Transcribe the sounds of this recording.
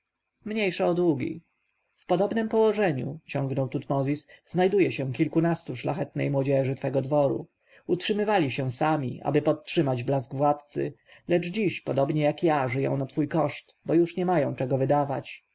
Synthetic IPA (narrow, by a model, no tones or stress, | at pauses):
mɲejʂɛɔd̪wuɡʲḭ | fpɔd̪ɔbnɘmpɔwɔʐɛɲṵt͡ɕɔ̃ŋɡnɔwt̪ut̪mɔzʲisznajd̪ujɛɕɛ̃kʲilkunast̪uʂlaxɛt̪̚nɛ̰jmwɔd͡ʑɛʐɘt̪fɛɡɔd̪vɔɾṵ | utʂɘmɘvalʲiɕɛ̃samʲḭʔa̰bɘpɔt̪̚ːʂɘmad͡ʑblazɡvwat̪t̪sɘ̰lɛʐd͡ʑiɕpɔd̪ɔbɲɛjakjaʐɘjɔ̰̃w̃nat̪fujkɔʂt̪bɔjuʂɲɛmajɔ̃w̃t͡ʂɛɡɔvɘd̪avat͡ɕ